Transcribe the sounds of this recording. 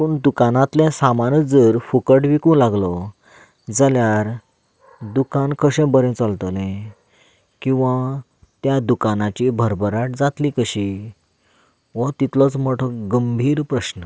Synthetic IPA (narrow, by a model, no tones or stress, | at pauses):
puːɳd̪ukanãt̪lɛ̃samanəd͡zəɾfukəʈʋikũːlaɡlɔ | d͡zaljaɾ | d̪ukankʰəɕẽbəɾẽt͡salt̪əlẽ | kĩw̃ʋa | t̪jad̪ukanat͡ɕibʱəɾbəɾaʈ̚d͡zat̪likəɕi | ʋət̪it̪lɔt͡sm̤əʈʰəkɡəmbʱiːɾpɾəɕnə